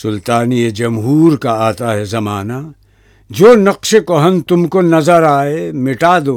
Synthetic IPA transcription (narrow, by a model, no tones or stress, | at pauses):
sʊlt̪aːnied͡ʒɐmɦuːɾkaaːt̪aɦɛzɐmaːna | d͡ʒoːnɐqʃekoɦɐnt̪ʊmkonɐzəɾaːemɪʈaːd̪oː